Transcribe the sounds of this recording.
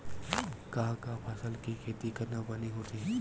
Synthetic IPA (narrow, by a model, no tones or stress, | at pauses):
kãkapʰɐsəlkikʰeːt̪ikɐɾnabɐniɦot̪ʰiɦɛ